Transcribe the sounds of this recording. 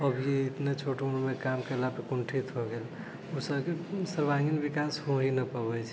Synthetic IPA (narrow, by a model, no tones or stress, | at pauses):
əbjeɪt̪net͡ʃʰoʈeuɽmekamkelapekuɳʈʰit̪ɦoɡeːl | usəbkesəɾbaɡinbikasɦoɦinəpəbɛt͡ʃʰɛ